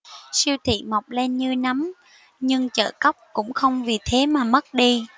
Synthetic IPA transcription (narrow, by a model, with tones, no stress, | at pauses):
si˧əwt̪ʰḭ˧˨ma˨˩wk͡p̚le˧nɲɨ˧na˨˦m | ɲɨ˧ŋt͡ɕə̰ː˧˨kə˦˥wk͡p̚kʊ̰˧˥ŋ͡mxə˧wŋ͡mvi˨˩t̪ʰe˨˦maː˨˩mə˦˥t̚ɗi˧